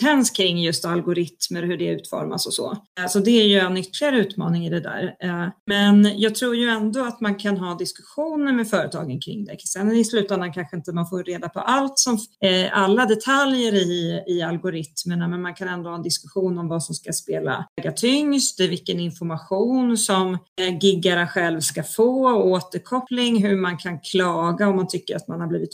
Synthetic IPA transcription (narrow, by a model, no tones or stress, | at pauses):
ɛnskʰɾɪŋːjɵst̪alɡʊɾɪt̪məɾhɵɖɛʉ̟ːt̪fɔ̰ɾma̰sɔsɔ̰sɔd̪ɛæɾjɵɛnːʏt̪ːlɪaɾəʉ̟ːt̪mɑ̰ːnɪŋɪd̪ɛd̪æ̰ːɾmɛnjʔɑːɡ̚t̪ʰɾuːɾjɵɛnd̪ɔat̪mankʰanɦɑːd̪ɪskɵ̥ɧuːnəɾmɛfœːɾət̪ʰɑ̰ːɡənkʰɾɪ̰ŋːd̪ɛksɛnɪslʉ̟ːt̪and̪ankʰanɧəɪnt̪əmanfoːɾɾeːd̪apʰɔ̰ʔalt̪sɔmalːad̪ɛt̪ʰaljəɾɪɪalɡʊɾɪt̪məɳamɛnmankʰanɛnd̪ʊhɑːɛnd̪ɪskɵɧuːnɔmvasɔmskaspeːla̰ɡat̪ʰʏŋst̪ɛvɪlkːənɪnfɔɾmaɧuːnsɔmɡɪɡːaɾəɧɛlvskafoːɔoːt̪əɾkʰɔplɪŋɦɵɾmankʰankʰlɑːɡaɔmːant̪ʰʏkːəɾa̰t̪manhabliːvɪt̪